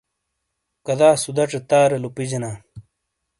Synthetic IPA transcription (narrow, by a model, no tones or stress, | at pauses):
kɐd̪aːsud̪ɐʈ͡ʂet̪aːɾelupid͡ʑenaː